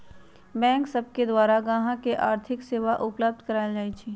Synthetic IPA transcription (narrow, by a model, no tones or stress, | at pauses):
bɛ̃ːŋksəb̚ked̪waːɾaɡãːɦãkeʔaːɾt̪ʰɪkseːʋaʔʊpləb̚d̪kəɾaːɪld͡ʒaːit͡ʃʰiː